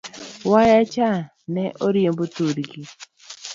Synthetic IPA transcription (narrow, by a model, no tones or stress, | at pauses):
wajat͡ʃa | nɛʔoɾjembotuɾɡi